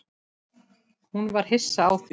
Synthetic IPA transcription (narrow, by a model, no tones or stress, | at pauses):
hunvaɾ̥ɦɪsːaːwθ